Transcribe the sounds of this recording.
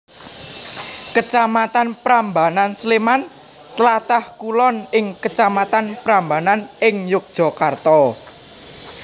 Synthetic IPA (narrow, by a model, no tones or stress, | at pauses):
kət͡ʃamat̪anpɾambanansleman | t̪əlat̪ahkulɔnɪŋkət͡ʃamat̪anpɾambananɪŋjʊk̚d̥ʒ̥ɔ̤kart̪ɔ